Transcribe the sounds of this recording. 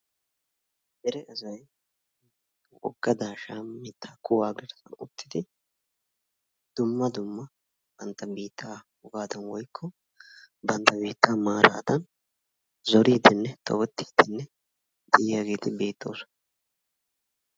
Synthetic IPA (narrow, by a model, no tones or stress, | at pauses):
dɛɾɛʔɐzɐj | ʔɔ̰ɡːɐd̪aːʃaːmːɪt̪ʰːḁkʰʊwaːɡɛɾɐsɐnʊt̪ːɪd̪ɪ | d̪̥ʊmːɐd̪ʊmːɐ | b̥ɐnt̪ːɐbiːt̪ʰːaːhʊɡaːd̪ɐnwɔjkʰːɔ | bɐnt̪ːɐbiːt̪ʰːaːmaːɾa̰ːd̪ɐn | zɔɾiːd̪ɪnːɛt̪ʰɔ̰wɔt̪ːi̥ːd̪̥ɪnːɛ | d̪ɪjaɡeːt̪ɪbe̞ːt̪ːo̞̰ːsɔ̥nɐ